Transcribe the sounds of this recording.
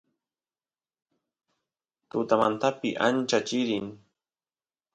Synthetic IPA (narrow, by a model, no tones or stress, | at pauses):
t̪ʊt̪amant̪apɪʔant͡ʃat͡ʃɪɾɪŋ